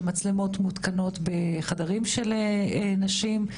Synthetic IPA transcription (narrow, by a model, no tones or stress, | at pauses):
mat͡slemo̞tmutkano̞tbeχadaʁimʃeleenaʃim